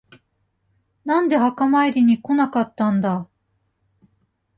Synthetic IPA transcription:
nãnd̪e̞hakamaiɾʲiɲ̟iko̞nakat̪ːãnd̪a

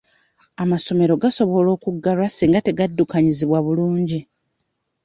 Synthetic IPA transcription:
amaso̞me̞ɾo̞ɡaso̞βo̞lo̞ːkuɡːalwasiːŋɡate̞ɡadːukaɲiziβwaβuluːɲɟi

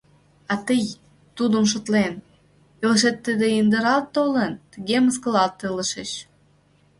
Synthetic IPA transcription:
ɑt̪əj | t̪ud̪əmʃ̬ŏt̪len | eləʃ̬et̪ːəd̪eind̪əɾɑlt̪ːolənt̪əɣeməskə̆lɑlt̪ːeləʃeʃ

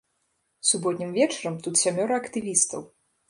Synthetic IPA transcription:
subɔt̪ʲnʲimvʲɛt͡ʂɐɾɐmt̪ut̪sʲamʲɔɾɐɐkt̪ɨvʲist̪ɐ̰w

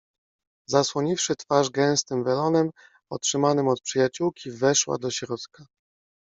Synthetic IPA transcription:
zaswɔɲifʂɘt̪faʐɡɛ̃w̃st̪ɘmvɛlɔnɛm | ɔtʂɘmanɘmɔt̪̚pʂɘjat͡ɕuwkʲʰivɛʂwa̰d̪ɔɕɾɔt̪ka

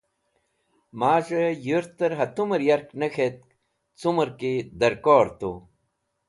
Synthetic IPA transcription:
maːʐɐjuɾt̪ɐɾɦɐt̪umɐɾjɐɾknɐxet̪̚ | t͡sumɐɾkid̪ɐɾkoːɾt̪o

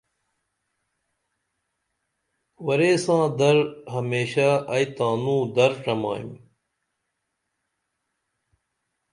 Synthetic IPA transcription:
ʋɐɾeːsãːd̪ɐɾɦɐmeːɕaɐit̪ãːnũːd̪ɐɾʈ͡ʂɐma̰ːḭm

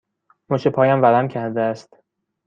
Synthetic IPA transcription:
monʃepʰɒːjæmvælæmcʰæɾd̪eæst̪

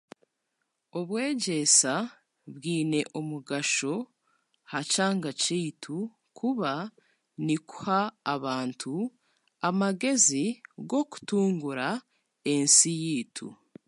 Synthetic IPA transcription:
oβwe̞ːɟe̞sa | βwiːne̞ʔomuɡaʃo̞ | hacaːŋɡacitʰu | kʰuβa | niku̥haːβaːntʰu | amaɡe̞ziɡo̞ku̥tuːŋɡuɾa | e̞nsijiːtʰṵ

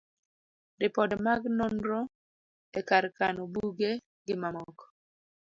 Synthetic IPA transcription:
dɪpɔdmaɡnɔnɾɔ | ekaɾkanɔbuɡe | ɡɪmamɔkɔ̥

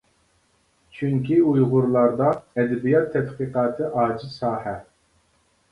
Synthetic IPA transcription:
t͡ʃʰyŋkʲiujʁʊɾlˠɑɾd̪ɑɛd̪ɛbijɑt̪ʰːɛt̪qiːqɑːt̪ʰɨʔɑːd͡ʒisɑːhɛ

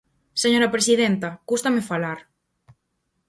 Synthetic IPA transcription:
seɲoɾapɾesiðent̪akust̪amefalaɾ

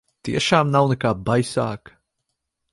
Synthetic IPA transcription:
t̪iɛʃaːmnawnɛkaːbajsa̰ːk

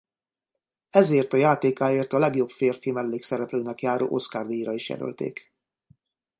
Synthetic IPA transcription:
ɛzeːrt̪ɒjaːt̪eːkaːeːrt̪ɒlɛɡjo̞pfeːrfimɛlːeːksɛɾɛpløːnɛkjaːɾo̰ːʔo̞̰skaːrd̪eiɾɒiʃjɛ̰ɾø̰lt̪ḛːk

